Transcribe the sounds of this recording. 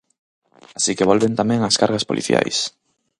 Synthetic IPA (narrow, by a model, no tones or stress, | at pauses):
asikeβ̞olβent̪amẽŋaskaɾɣaspolʔḭθja̰js